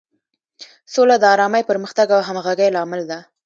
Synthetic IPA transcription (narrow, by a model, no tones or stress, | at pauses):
solad̪əɑɾɑmajpəɾməxt̪aɡawɦamɣaɡajlɑmɪld̪a